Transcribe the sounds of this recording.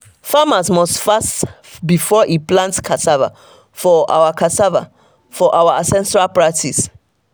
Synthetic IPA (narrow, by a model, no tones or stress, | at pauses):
famasmɔstfast | bifɔʔiplãntkʰatava̰ | fɔʔa̰wakʰatava̰ | fɔʔawasɛ̃nsɹalpɹatʰis